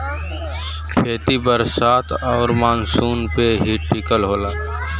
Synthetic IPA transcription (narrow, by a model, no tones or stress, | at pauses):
kʰeːt̪ibəɾsaːt̪ʰɔːɾmaːnsuːnpeɦiʈːɪkəlɦoːlaː